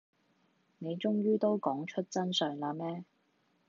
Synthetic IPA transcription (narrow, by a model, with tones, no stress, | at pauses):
ne˨˧jt͡ʃʊ˥ŋɥyː˥t̪o˥wkɔː˨˥ŋt͡ʃʰɵ˥t̚t͡sɐ˥nsœː˨ŋlaː˧mɛː˥